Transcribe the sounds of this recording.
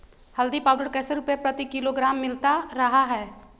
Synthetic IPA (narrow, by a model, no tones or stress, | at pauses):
hɐld̪ipaːʊɖəɽkɛːseɾʊpjapɾɐt̪ikɪloɡɾaːmːɪlt̪aɾɐɦaɦɛː